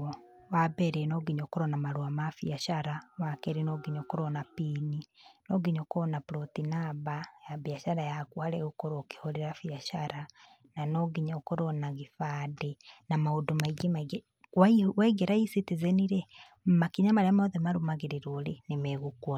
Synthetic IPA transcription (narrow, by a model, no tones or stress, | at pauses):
wabɛɾɛnɔɡiɲɔkoɾɔnamaɾwamafiaʃaɾawakɛɾenɔɡiɲɔkoɾɔnapininɔɡiɲɔkoɔnapɾɔtinabajabiaʃaɾajakwaɾɛɣokoɾoke̥hoɾeɾafiaʃaɾa | nanɔɣiɲɔkoɾɔnaɣifadenamaodomaiɡemaiɡɛ | kwaiwɛɡɛɾaisitizɛniɾɛ | makiɲamaɾeamaoðemaɾomaɣeɾeɾoɾenemɛɣukwɔ